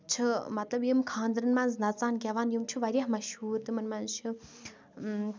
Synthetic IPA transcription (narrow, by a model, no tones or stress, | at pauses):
t͡ʃʰɨmɐt̪lɐbjəmkʰãːnd̪ɨɾɨnmɐnznɐt͡saːnɡʲaʋaːnjumt͡ʃʰɨʋɐɾjahmɐʃhuːɾt̪ɨmɨnmɐnzt͡ʃʰɨ